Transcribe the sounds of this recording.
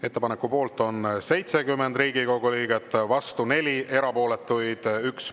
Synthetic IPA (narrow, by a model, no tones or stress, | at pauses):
e̞t̪ːepɑnekːupo̞ːlt̪ːˑo̞nse̞jt̪se̞ɡymːend̪riːɡ̥iko̞ɡ̥uliːɡ̥et̪ːˑvɑst̪une̞lʲie̞ɾɑpo̞ːle̞t̪ːˑujd̪̥yks